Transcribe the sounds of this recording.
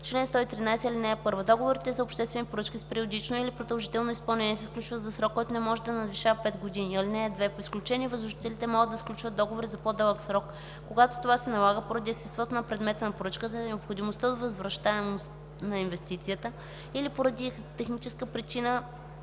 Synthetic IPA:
t͡ʃlɛnst̪ɔit̪ɾinajsɛilinɛːpɤɾvəd̪ɔɡovoɾit̪ɛzɐopʃt̪ɛst̪vɛnipoɾɤt͡ʃkʲispɛɾiod̪it͡ʃnoilipɾod̪ɐlˠʒit̪ɛlˠnoispɐlˠnɛnʲiɛsɛfklʲut͡ʃvəzɐsɾɔkːɔjt̪onɛmɔʒɛd̪ɐnɐd̪viʃavɐpɛt̪ɡod̪iniɐlinɛːd̪vɛpoisklʲut͡ʃɛnʲiɛvəzɾʊʒit̪ɛlit̪ɛmɔɡəd̪sklʲut͡ʃvət̪̚ːɔɡovoɾizɐpod̪əlˠəksɾɔkː | oɡat̪o̥t̪ovasɛnɐlˠaɡəpoɾɐd̪iɛst̪ɛst̪vɔt̪onɐpɾɛd̪mɛt̪ənɐpoɾɤt͡ʃkət̪ənɛopxod̪imost̪əd̪vɐzvɾɐʃt̪aɛmost̪ | nɐinvɛst̪it̪sijət̪ə | ilipoɾɐd̪i | t̪ɛxnit͡ʃɛskəpɾit͡ʃinə

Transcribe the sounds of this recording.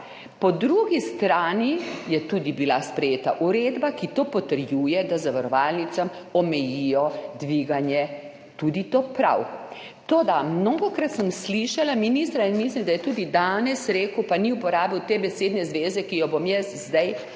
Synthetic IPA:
pɔd̪ɾuɡist̪ɾaːnijɛt̪ud̪ibilaspɾɛjeːt̪aʔuɾeːd̪bakit̪oːpɔt̪əɾjujɛd̪azaʋaɾɔʋalnit̪samɔmɛjijɔd̪ʋiɡanjɛ | t̪ud̪it̪oːpɾa̰w | t̪oːd̪amnoːɡɔkɾat̪səmsliʃalaminist̪ɾainmislimd̪ajɛt̪uːd̪id̪aːnɛsɾeːkəwpaniupɔɾaːbiwt̪ebɛseːd̪nɛzʋeːzɛkijɔbomjɛszd̪aj

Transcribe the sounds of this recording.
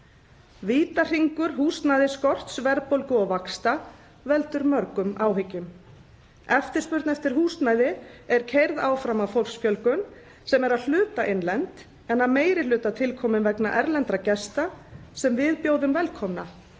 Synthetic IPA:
viːt̪ar̥iŋkʏɾ̥ɦuːst̪najðɪskɔr̥t̪svɛɾpowlkʏɔɣvakst̪a | vɛlt̪ʏɾmœɾkʏmaːwɦɪcːʏm | ɛft̪ɪ̥spʏɾt̪nɛft̪ɪɾ̥ɦuːst̪najðɪɛɾcʰejɾðaːwfɾamawfowl̥ksfjœlkʏn | sɛmɛɾaðl̥ʏːt̪aʔenlɛnt̪ | ɛnaðmeːjɾɪlʏːt̪at̪ʰɪlkʰɔːmʏnvɛknaʔɛɾlɛnt̪ɾacɛst̪asɛmvɪðpjoːwðʏmvɛlkʰɔmna

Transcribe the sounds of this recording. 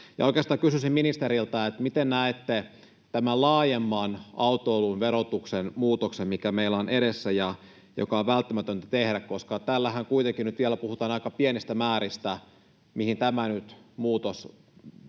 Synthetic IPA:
jɑoikeɑst̪ɑːŋkysysimminist̪eɾilt̪ɑet̪mit̪ennæet̪ːe | t̪æmællɑːjemːɑnɑut̪oolunʋeɾot̪uksenmuːt̪oksemmikæmeilːæonʔeɾesːæjɑ | jo̰kɑoʋʋælt̪ːæmæt̪ønt̪æt̪ehɾækkoskɑt̪ælːæhæŋkuit̪eŋkinyt̪ʋiælːæpuhut̪ɑːnɑikɑpienist̪æmæːɾist̪æ | mihint̪æmænyt̪muːt̪os

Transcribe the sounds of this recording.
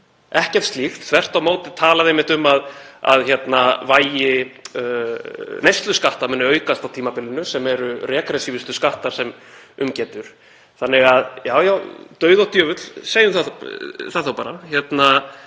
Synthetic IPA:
ɛhcɛɾ̥t̪st̪lixt̪θvɛr̥t̪awmoːwt̪ɪt̪ʰaːlaðejmɪht̪ʏmaða̰ðçɛt̪navaːjɪ | nejst̪lʏskaht̪aɾmɛnːɪœːɥkast̪awt̪ʰiːmapɪlɪnʏsɛmɛɾʏɾɛːkɾɛsivɪst̪ʏskaht̪aɾ̥sɛmʏmcɛːt̪ʏɾ̥ | θanːɪɣaðjaːwjaːwt̪œːɥðawt̪ʰjœːvʏt̪l̥seːjʏmθaθaðθawpaːɾaçɛt̪na

